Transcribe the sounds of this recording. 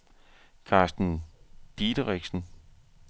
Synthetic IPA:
kʰɑ̈ːsd̥n̩d̥id̥əʁɛɡ̥sn̩

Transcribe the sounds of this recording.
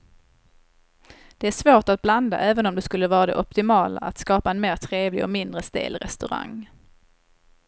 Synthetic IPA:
d̪̥ɛæʂvoːʈat̪̚bland̪a̰ʔɛːvənɔmd̪ɛskɵlːəvɑːɾad̪ɛ̰ʔɔpt̪ɪmɑːla̰at̪skɑːpaɛnmeːɾʈ̪ʰɾeːvlɪɔ̰kmɪnd̪ɾəst̪ḛːlɾɛ̰st̪ɵɾa̰ŋː

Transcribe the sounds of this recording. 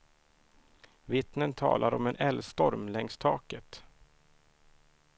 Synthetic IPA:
vɪt̪nənt̪ʰɑ̰ːlaɾɔ̰mɛnʔɛlst̪ɔɾmlɛŋst̪ʰɑːkət̪

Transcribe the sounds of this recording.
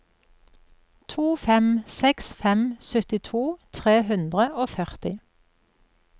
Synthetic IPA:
t̪ʰuːfɛmsɛksfɛmsœt̪ɪt̪ʰuːt̪ʰʁeːhʉnd̪ʁəʔoːfœʁt̪ɪ

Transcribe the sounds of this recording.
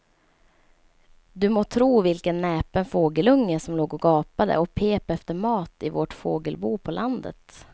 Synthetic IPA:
d̪ɵmoːt̪ʰɾuːvɪlkənːɛːpənfoːɡəlɵŋːəsɔmloːɡɔɡɑːpad̪ə̰ɔpʰeːpɛft̪əɾmɑːt̪ɪvoːʈfoːɡəlbuːpʰɔlʔand̪ə̰t̪

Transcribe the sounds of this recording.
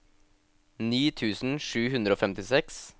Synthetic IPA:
niːt̪ʰʉːsn̩ʂʉːhʉnd̪ɾəoːfɛmt̪ɪsɛks

